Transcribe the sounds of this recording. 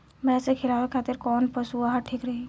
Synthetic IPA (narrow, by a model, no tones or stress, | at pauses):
mɛ̃ːsekʰɪlaːʋekʰaːt̪ɪɾkɔːnpəsuaɦaʈʰiːkɾɐɦiː